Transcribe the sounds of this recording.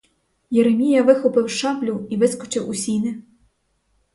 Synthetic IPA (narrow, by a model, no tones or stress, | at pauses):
jeɾemʲijɐʋɪxɔpɪwʃɑblʲuiʋɪskɔt͡ʃɪwʊsʲinɪ